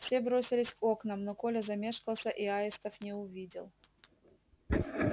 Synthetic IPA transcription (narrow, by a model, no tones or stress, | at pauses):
fsʲe̞bɾo̞sʲɪlʲɪsʲko̞knəmnoko̞lʲəzɐmʲe̞ʂkəlˠsʲəʔiaɪst̪əfnʲɪʊvʲidʲɪ̰lˠ